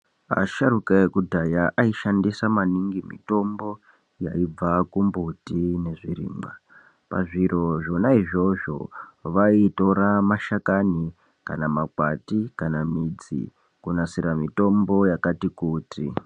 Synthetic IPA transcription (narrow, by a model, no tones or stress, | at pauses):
a̰ʃaɾukaekudʱajaʔaiʃandisamaniŋɡimḭto̞mbo̞ | ja̰ib͡vakumbutine̞ʐirḭːmba | pa̰ʐiɾo̞ʐo̞naiʐo̞ʐo̞̰ʋaito̞ɾamaʃakani | ka̰namakwatikanamid͡zḭ | kunasiɾamito̞mbo̞jakatikuːti